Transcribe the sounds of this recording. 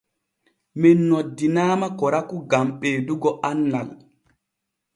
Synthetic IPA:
mɛnːodːinaːmakɔɾakuɡamɓeːduɡɔʔanːal

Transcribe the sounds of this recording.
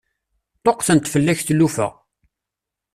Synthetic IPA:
t̪ˤoqθənt̪fəlːæçθlːufə̰ʁ

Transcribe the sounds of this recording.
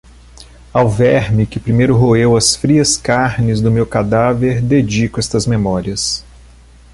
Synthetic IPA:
awvɛɾmɪkɪpɾimejɾʊɦoewɐsfɾiɐskaɾnɪzd̪ʊmewkad̪aveɾd̪ed͡ʒikʊɛst̪ɐzmemɔɾiɐs

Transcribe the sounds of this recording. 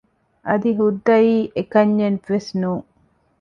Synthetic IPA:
ʔɐd̪iɦud̪ːɐjiːʔekɐɲːenʋesnuːŋ

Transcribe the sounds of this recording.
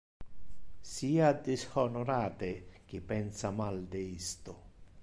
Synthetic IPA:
siːad̪ɪshɔnoɾaːt̪ek̟ɪpːɛnsamald̪eist̪o

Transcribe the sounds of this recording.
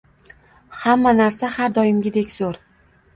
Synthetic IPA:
hamːanaɾsahaɾd̪ɒjɪmɡʲɪd̪ekʲz̥oɾ

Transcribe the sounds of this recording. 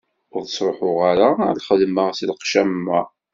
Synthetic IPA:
ʊðˤsˤɾˤoħʊʁaɾalχəðməʁsilqʃæmːæ

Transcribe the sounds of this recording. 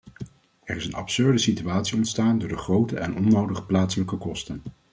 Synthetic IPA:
ɛrɪsənɑ̰psɵɹdəsityaːtsiɔntstaːndʊːɹdəχrowtəʔɛnɔnowdəχə̥plaːtsələkəkɔstən

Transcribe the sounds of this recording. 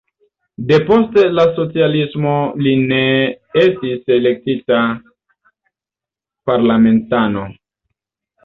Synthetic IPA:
de̞po̞ste̞laso̞t͡sialismo̞line | estisele̞k̚tita | paɾlame̞ntano̞

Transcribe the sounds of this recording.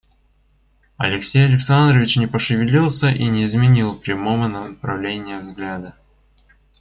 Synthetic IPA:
ɐ̰lʲɪksʲejɐlʲɪksand̪ɾəvʲɪt͡ɕnʲɪpəʂɨvʲɪlʲilˠsʲəʔinʲɪːzmʲɪnʲilˠpɾʲɪmo̞vənənəpɾɐvlʲenʲɪjəvzɡlʲad̪ə

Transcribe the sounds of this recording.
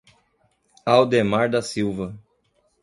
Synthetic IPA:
awd̪emaɾd̪ɐsiwvɐ

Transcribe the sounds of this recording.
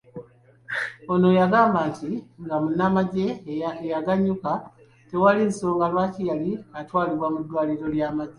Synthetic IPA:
ono̞jaɡaːmbaːntiŋɡamunːamaɟe̞ejaɡaɲːuka | te̞walinso̞ːŋɡalwacijaliatwaːliβwamudwaːliɾo̞ljaːmaɟe

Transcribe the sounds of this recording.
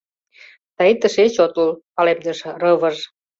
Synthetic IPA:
t̪ɑit̪ə̆ʃet͡ɕot̪ulpɑlemd̪əʃɤ̆rɤβə̆ʒ

